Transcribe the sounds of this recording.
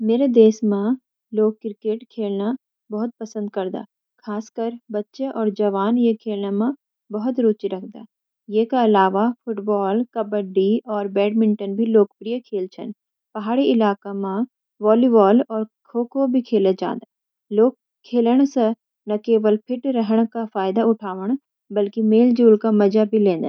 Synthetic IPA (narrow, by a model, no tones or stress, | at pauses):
meːɾed̪eːsmã | loːɡ̚kːɾɪkeːʈkʰeːlna | bɐɦʊt̪̚pɐsə̃nd̪̚kɐɾd̪a̰ː | kʰaːskəɾbɐtːʃeʔɔːɾd͡ʒɐʋaːnjekʰeːlnamã | bɐɦʊt̪ɾuːt͡ʃiɾɐk̚ʰd̪a̰ː | jekaɐlaːʋapʰʊʈbɔːlkɐbəɖiɔːɾbɛːɖmɪ̃ɳʈənbʱiloːkpɾijəkʰeːlt͡ʃʰə̰n | pɐɦaːɽiɪlaːkamã | ʋɔːlibɔːlɔːɾkʰoːkobʱikʰeːləd͡ʒa̰ːnd̪a | loːk̚ | kʰːeːləɽ̃se | nɐkeːʋəlpʰɪʈɾəɦəɽ̃kafaːɪd̪aʊʈʰaːʋəɽ̃ | bɐlkimeːld͡ʒuːlkamɐd͡ʒabʱilẽːnd̪a̰ː